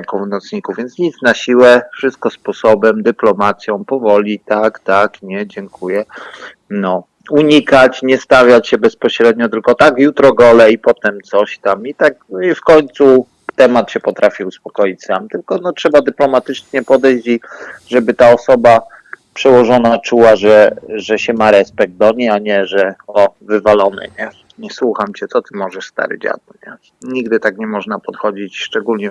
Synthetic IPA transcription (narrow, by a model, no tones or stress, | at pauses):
kɔvnɔt̪sɲikuvvʲjɛnt̪ɲit̪snaɕiwɛfʂɘst̪̚kɔspɔsɔbɛmd̪ɘplɔmat̪sʲjɔ̃w̃pɔvɔlʲit̪akt̪akɲɛd͡ʑɛŋkʰujɛ | nɔ | uɲikat͡ɕɲɛst̪avʲjat͡ɕɕɛbɛspɔɕɾɛd̪̚ɲɔt̪ɘlkɔt̪akjut̪ɾɔɡɔlɛipɔt̪ɛmt̪sɔɕt̪amit̪ak̚ifkɔɲt̪su | t̪ɛmat̪ɕɛpɔt̪ɾafʲiuspɔkɔjit͡ɕsamt̪ɘlkɔnɔtʂɛbad̪ɘplɔmat̪ɘt͡ʂɲɛpɔd̪ɛjɕt͡ɕiʐɛbɘt̪aɔsɔba | pʂɛwɔʐɔnat͡ʂuwaʐɛʐɛɕɛmaɾɛspɛɡ̚d̪̚d̪ɔɲejaɲɛʐɛɔvɘvalɔnɘ̰ɲɛ | ɲɛswuxamt͡ɕɛt̪sɔt̪ɘmɔʐɛʂst̪a̰ɾɘ̰d͡ʑa̰d̪wɛɲɛ | ɲiɡd̪ɘt̪akɲɛmɔʐnapɔt̪xɔd͡ʑit͡ɕʂt͡ʂɛɡulɲɛ